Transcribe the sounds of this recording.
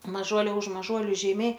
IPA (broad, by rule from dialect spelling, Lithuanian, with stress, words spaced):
mɐˈʒuɔlʲɛ ʊʃ mɐˈʒuɔlʲʊ ʒʲɛɪˈmʲɛɪ